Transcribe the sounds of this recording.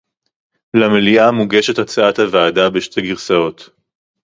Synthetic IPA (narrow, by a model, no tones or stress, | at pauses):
lameliamuɡeʃetat͡saathavaːdabeʃte̞ɡiʁsao̞t̪